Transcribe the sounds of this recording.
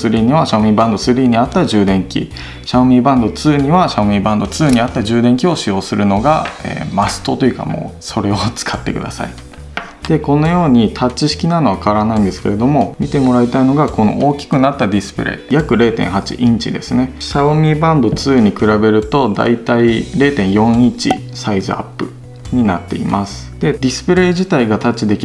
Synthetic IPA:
sɨɾʲiːɲ̟iβaɕaomʲibãnd̪osɨɾʲiːɲ̟iat̪ːaʑɨːd̪ẽ̞ŋkʲḭ | ɕaomʲibãnd̪o̞t͡sɨːɲ̟iβaɕaomʲibãnd̪o̞t͡sɨːɲ̟iat̪ːaʑɨːd̪ẽ̞ŋkʲio̞ɕijo̞ːsɨɾɯ̟no̞ɡaḛːmasɨ̥t̪o̞t̪ojɯ̟ka̰mo̰ːso̞ɾe̞o̞t͡sɨ̥kʰat̪ːe̞̰kɯ̟d̪a̰sa̰i | d̪̥e̞ko̞no̞jo̞ːɲ̟it̪ʰatt͡ɕːiɕi̥kʲinano̞βakaɾanaĩnd̪e̞sɨ̥ke̞ɾe̞d̪o̞mo̞mʲit̪e̞mo̞ɾait̪aino̞ɡako̞no̞̰ʔoːkʲi̥kɯ̟nat̪ːad̪ʲisɨ̥pɯ̟ɾe̞̰jakɯ̟ɾe̞ːt̪ẽ̞̰ɰ̃ɦat͡ɕḭʔĩɲt͡ɕḭd̪e̞̰sɨne̞ɕaβomʲibãmbɯ̟t͡sɨːɲ̟ikɯ̟ɾabe̞ɾɯ̟t̪o̞d̪a̰it̪aiɾe̞ːt̪ẽ̞ɰ̃jõ̞ɰ̃it͡ɕḭ | saizɨa̰pːɯ̟ | ɲ̟inat̪ːe̞ḭmasɨ̥d̪̥e̞d̪ʲisɨ̥pɯ̟ɾe̞ːʑit̪aiɡat̪at͡ɕːid̪e̞kʲi

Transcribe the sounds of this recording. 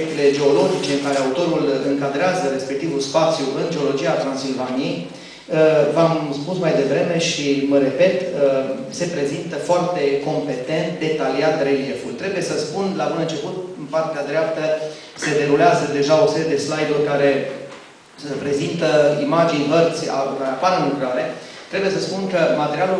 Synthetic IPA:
ek̚t̪ele̞d͡ʒe̞o̞lo̞d͡ʒit͡ʃe̞ɨŋkaɾeaut̪o̞ɾulɨŋkad̪ɾeazəɾe̞spe̞k̚t̪ivulspat̪sʲjuʔɨnd͡ʒe̞o̞lo̞d͡ʒiat̪ɾansilvanijej | əvamspusmajd̪e̞vɾe̞me̞ʃiməɾe̞pe̞t̪ə | se̞pɾe̞zint̪əfoart̪e̞ko̞mpe̞t̪e̞nt̪̚d̪e̞t̪aliat̪re̞lie̞fult̪ɾe̞buje̞səspunlabunɨnt͡ʃe̞put̪mpart̪ead̪ɾeap̚t̪ə | se̞d̪e̞ɾuleazəd̪e̞ʒao̞se̞ɾijed̪e̞slajd̪urʲkaɾe̞ | pɾe̞zint̪əimad͡ʒinʲvərt̪sʲa̰kaɾeapaɾɨnlukɾaɾe̞ | t̪ɾe̞buje̞səspunkəmat̪eɾialu

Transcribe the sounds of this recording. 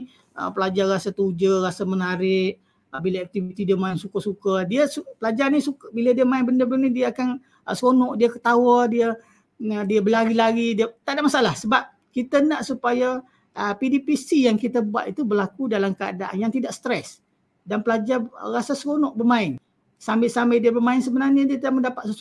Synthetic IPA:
ə̰pəlad͡ʒarrasat̪ud͡ʒərasamənaɾɪʔ | bilaak̚t̪ifit̪idiəmãɪnsukəsukədiəsupəlad͡ʒaɾanisukbilədiəmaɪnbəndəbənənidiəakan | əsɾonɔʔdiəkə̥t̪awədiə | diəbəlaɡilaɡidiət̪aʔdaʔmasaalahsəbap̚ | kit̪ənaʔsupaja | əpidipisijaŋkit̪əbua̰t̪it̪ubərlakudalamkəa̰daʔa̰njaŋt̪idaʔsə̥t̪ɾɛs | danpəlad͡ʒarasasɾonɔʔ̚bərmãɪn | sambɪʔsambɪdiəbəmãɪnsəbənarɲədiət̪idaʔməndapat̪̚səs

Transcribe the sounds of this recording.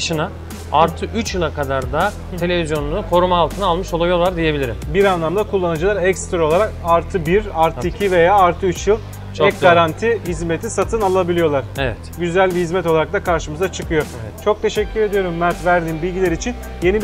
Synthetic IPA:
ʃɯna | aɾt̪ʰɯʔyt͡ʃjɯlˠakʰad̪aɾd̪a | e̞lʲe̞vizjo̞nunukʰo̞ɾumaːlˠt̪ʰɯnalˠmɯʃo̞lˠajo̞lˠaɾd̪ije̞bilʲiɾimbiɾanlˠamd̪akʰulˠːanad͡ʒɯlˠaɾɛcst̪ɾaolˠaɾakaɾt̪ʰɯbiɾaɾt̪ɯicʰive̞jaːɾt̪ʰɯyt͡ʃjɯlˠ | t͡ʃɛɡaɾant̪ʰihizme̞t̪ʰisat̪ʰɯnalˠabilʲijo̞lˠaɾ̥evɛt̪ɟyzælʲbihizmɛt̪oaɾak̚t̪akʰaɾʃɯmɯzat͡ʃʰɯkʰɯjo̞ | t͡ʃʰo̞k̚t̪ʰe̞ʃɛcʰːyɾe̞d̪ijo̞ɾumːæɾt̪væɾd̪iːnbilʲɟilʲeɾit͡ʃʰin | je̞nib

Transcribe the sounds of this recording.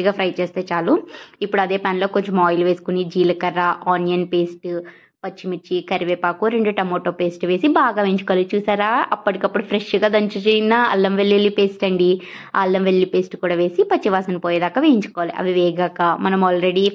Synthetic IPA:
ɡaːpʰɾɐjt͡ʃeːst̪e̞ːt͡ʃaːluipːuɽuɐd̪eːpʲaːnlo̞ːko̞ɲt͡ʃɐmɔːjluʋe̞ːsu̥kunid͡ʒiːlɐkɐɾːaʔaːnijɐnpeːsʈ | pɐt͡ʃːimit͡ʃːikɐɾiʋeːpaːkuɾe̞ɳɖuʈɐmoːʈoːpe̞ːsʈʋe̞ːsibaːɡaːʋeːiɲt͡ʃukɔʋalit͡ʃuːsaːɾaːɐpːɐʈikɐpːuɽupʰɾeʂɡaːd̪ɐɲt͡ʃut͡ʃeinaɐ̰lːɐmʋelːelːipeːsʈɐɳɖi | a̰ɐlːɐmʋelːipeːsʈkuːɽaːʋe̞ːsipɐt͡ʃːiʋaːsɐnpoːjeːd̪aːkːɐʋeːjiɲt͡ʃu̥kɔʋaːlḭʔɐ̰ʋiʋɛːɡɐkɐmɐnɐmaːlɾeɽi

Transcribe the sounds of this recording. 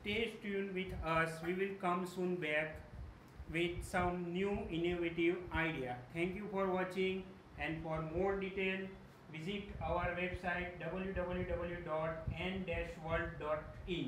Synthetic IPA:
sʈeːd͡ʒʈũːnʋɪd̪ʰəsʋiːʋɪlkʌ̃msũːnbɛk | ʋɪd̪̚sʌ̃mnjuːinoʋeʈiʋaɪɖiat̪ʰɛ̃ŋkjufɔːɾʋɔːt͡ʃɪ̃ŋɡ | ɛ̃ɳɖfɔːɾmoːɾɖiʈel | ʋɪziʈaʊəɾʋebsaɪʈ̚ɖʌbəljuɖʌbəljuɖʌbəljuɖɔːʈɛ̃nɖɛʃʋəɾlɖːɔːʈi

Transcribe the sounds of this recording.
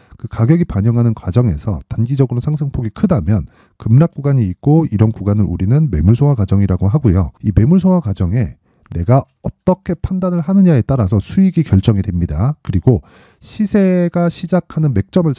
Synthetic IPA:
kɯkaɡjʌɡipaɲʌŋɦanɯnkwad͡ʑʌŋe̞̰sʰʌ̰tanɡid͡ʑʌɡɯɾosʰaŋsʰɯŋpʰoɡikʰɯdamjʌn | kɯmnak̚k͈uɡaɲiːk͈oiɾʌnkuɡanɯɾṵɾinɯnme̞muɭsʰoŋakwad͡ʑʌŋiɾaɡoɦaɡujoime̞muɭs̬ʰoŋwakwad͡ʑʌŋe̞ | ne̞ɡa | ʌt͈ʌkʰe̞pʰandanɯɭɦanɯɲae̞t͈aɾasʰʌsʰuiɡikjʌɭt͡ɕ͈ʌŋidwe̞mɲidakɯɾiɡo | ɕʰisʰe̞ɡaɕʰid͡ʑakʰanɯnme̞k̚t͡ɕ͈ʌmɯɭ

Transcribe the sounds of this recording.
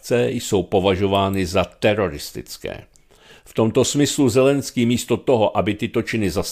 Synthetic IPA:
t͡sɛjso̞wpo̞vaʒo̞vaːnɪzat̪ɛɾo̞ɾɪst̪ɪ̰t͡skɛ̰ː | ft̪o̞mt̪o̞smɪsluzɛlɛnskiːmiːst̪o̞t̪o̞ɦo̞ʔabɪt̪ɪt̪o̞t͡ʃɪnɪzas

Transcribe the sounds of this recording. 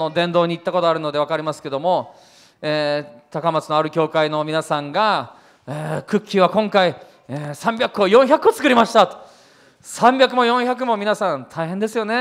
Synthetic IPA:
no̞d̪ẽ̞nd̪oːɲ̟iːt̪ːako̞t̪o̞aɾɯ̟no̞d̪e̞β̞akaɾʲimasɨ̥ke̞d̪o̞mo̞ | eːt̪akamat͡sɨno̞aɾɯ̟kʲo̞ːkaino̞mʲinasãŋɡa | ekɯ̟kʲːɨːβakõ̞ŋkai | eːsãmbʲjakːo̞jõ̞çakɯo̞t͡sɨ̥kɯ̟ɾʲimaɕi̥t̪at̪o̥ | sãmbʲakɯ̟mojõ̞ɰ̃çak̬ɯ̟mo̞mʲinasãnt̪ʰaiɦend̪e̞sɨjo̞ne̞

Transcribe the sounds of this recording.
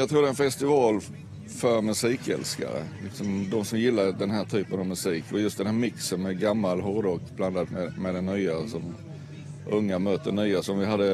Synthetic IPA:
jɑt̪ʰɾuːd̪ɛnfɛst̪ɪvɑːl | fœɾmɵsiːkɛ̰lska̰ɾə̰lɪksɔmd̪ɔmsɔmjɪlːaɾd̪ɛnɦæːʈʰyːpənavmɵsiːkvajɵst̪d̪ɛnhæːɾmɪksənmɛɡamːalɦɔɾd̪ɔkbland̪ad̪mɛmɛd̪ɛnːyːasɔm | ʔɵŋːamœːt̪ːənyːasɔmvɪɦad̪ːə

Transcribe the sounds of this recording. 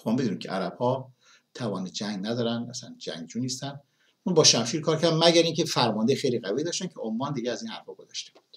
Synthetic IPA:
omɑːmbed̪uniːmkʰʲcʰeʔæɾæb̥hɒː | t̪ʰævɒːned͡ʒæŋɡnæd̪ɒːɾænd̪ʔæ̰sæ̰nd͡ʒæ̰ŋɡd͡ʒuːniːst̪ænd̪ | unbɒːʃæmʃiːɾkʰɒːɾcʰæɾd̪mæɟæɾiŋcʰefæɾmɒnd̪ejxejliɣæviːd̪ɒːʃt̪æncʰeomːɒːnd̪iɟeæziːnhæɾfɒːɡozɒ̰ʃt̪e̞b̥u̥d̪̥

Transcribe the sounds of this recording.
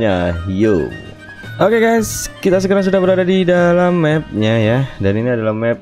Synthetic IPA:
ajo̰ | ʔokeɡajskit̪as̬əkaɾaŋs̬udahbəɾadadidalamːɛp̚ɲajadaniniadalahmɛp̚

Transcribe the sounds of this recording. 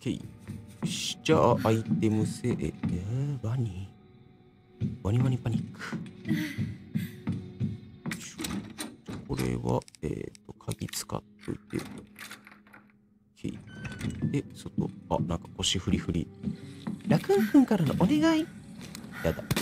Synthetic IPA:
kʰeḭɕi̥t͡ɕaʔait̪e̞mɯ̟seʔebaɲʲi | baɲ̟iβaɲ̟ipaɲʲikːɯ̥ | ɕo̥ | kʰo̞ɾe̞̰βa̰ḛːt̪ːo̞kʰaɡʲit͡sɨ̥ka̰t̪ːo̞̰it̪ḛ | kʰḛi | esot̪o̞̰a̰nãŋkḁko̞ɕiɸɯ̟ɾʲiɸɯ̟ɾʲḭ | ɾakɯ̟̃ɰɸɯ̟̃ŋkaɾano̰ʔoneɡai | jad̪a

